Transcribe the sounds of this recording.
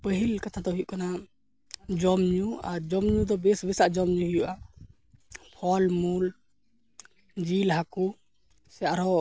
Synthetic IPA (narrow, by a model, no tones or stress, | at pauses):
pəɦilkat̪ʰad̪ɔɦujʔkana | d͡ʒɔmɲuaɾd͡ʒɔmɲud̪ɔbɛsbɛsaʔd͡ʒɔmɲuɦijuʔa | pʰɔlmul | d͡ʒilɦaku | sɛjaʔɾɔ